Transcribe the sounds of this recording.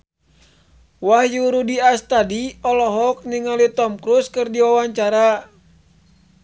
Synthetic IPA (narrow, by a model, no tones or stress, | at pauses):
wahjuɾudiast̪adiɔlɔɦɔk̚niŋalit̪ɔmkɾuskɨrdiwawaɲt͡ʃaɾa